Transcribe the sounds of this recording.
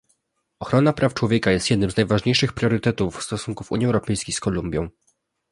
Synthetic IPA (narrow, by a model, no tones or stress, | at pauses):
ɔxɾɔnapɾaft͡ʂwɔvʲjɛkajɛst̪jɛd̪nɘmzajvaʐɲejʂɘxpɾʲjɔɾɘt̪ɛt̪ufst̪ɔsuŋkufṵɲjiɛwɾɔpɛjskʲejskɔlumbʲjɔ̃w̃